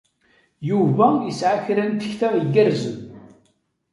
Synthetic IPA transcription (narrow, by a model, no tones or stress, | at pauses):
juvæjəsʕaçɾænt̪ə̥çθæiɡəɾzəm